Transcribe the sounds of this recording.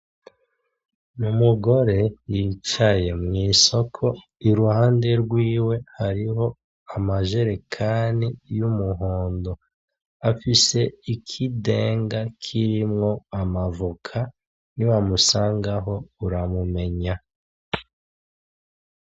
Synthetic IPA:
numuɡo̞ɾe̞jit͡ʃaje̞mŋiːso̞kʰo̞ | iɾuhaːnde̞ɾɡwiːwe̞haɾiɦo̞ | amaʒe̞ɾe̞kʰanijumuɦo̞ːndo̞ | afise̞ikʰide̞ːŋɡakʰiɾimŋo̞amavukʰa | niwamusaːŋɡaɦo̞uɾamume̞ɲa

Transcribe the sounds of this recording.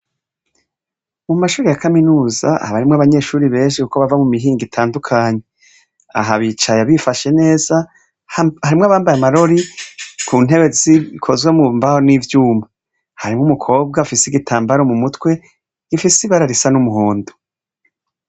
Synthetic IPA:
mumaʃuːɾijakaminuːza̰haβaɾimŋaβaɲe̞ʃuːɾiβe̞ːnʃikukoβavamumiɦiːŋɡitʰaːndukʰaɲe̞ | a̰ɦaβit͡ʃajaβifaʃe̞ne̞ːza | haɾimŋaβaːmbajamaɾo̞ɾikʰuːn̥e̞βe̞zikʰo̞zɡwemumbahonivjuːma | haɾimŋumukʰo̞ːbɡafisiɡitʰaːmbaɾomumutwe̞ | ɡ̥ifisiβaɾaɾisanumuhoːndu̥

